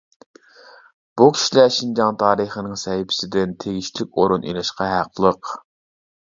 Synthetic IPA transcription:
b̥ukʲʰi̥ʃilɛʃind͡ʒɑŋt̪ʰɑːɾəχənɪŋsɛhɪpʰɪ̥sɪd̪ɪnt̪ʰeɡʲiʃt͡ʃlɪk̚ʲoɾunʔḭlɪʃqɑɦæqʰlˠəq

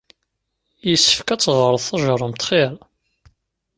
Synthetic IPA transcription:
jəsːə̥fkæt͡sːʁəɾˤəθɑʒɾˤəmt̪χeɾˤ

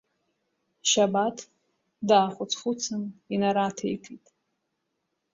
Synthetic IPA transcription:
ʃabatʰ | daːχʷʊt͡sʰχʊt͡sʰɨninaɾatʰḛjkʰitʼ

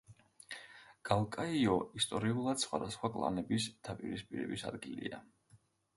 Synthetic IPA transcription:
ɡ̥alˠkʼaiɔist̪ʼɔɾiulˠad̪̥sχwa̰d̪asχwakʼlˠa̰nɛbisd̪̥apʼiɾispʼiɾɛ̰bisa̰d̪ɡilḭa

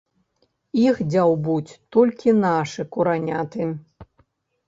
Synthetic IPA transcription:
ixd͡zʲawbut͡sʲt̪ɔlʲkʲinaʂɨkuɾanʲat̪ɨ

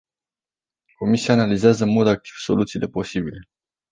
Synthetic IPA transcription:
ko̞misiaːnalizeazəɨnmo̞d̪ak̚t̪i̥v̥so̞̰lut̪siːle̞po̞sibile̞

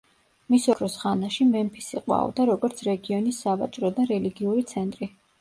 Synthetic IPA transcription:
misɔɾɔsʁanaʃimɛmpʰisiqʼwa̰ɔ̰d̪aɾɔɡɔɾt̪sʰɾɛɡiɔnisːava̰t͡ʃʼɾɔd̪aɾɛliɡiuɾit̪sʰɛnt̪ʼɾi

